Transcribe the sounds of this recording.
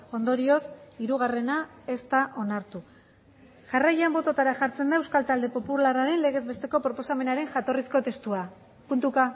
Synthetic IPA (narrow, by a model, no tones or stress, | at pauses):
o̞nd̪o̞ɾio̞siɾuɣ̞are̞nae̞st̪aʔo̞naɾt̪u | ʝarajambo̞t̪o̞t̪aɾaʝaɾt͡se̞nd̪aewskalt̪ald̪e̞po̞pularaɾe̞nle̞ɣ̞e̞zβe̞st̪e̞ko̞pɾo̞po̞same̞naɾe̞ŋʝat̪o̞risko̞t̪e̞st̪ua | punt̪uka